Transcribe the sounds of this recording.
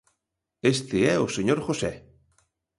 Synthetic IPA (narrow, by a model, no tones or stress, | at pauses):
est̪eɛoseɲoɾxosɛ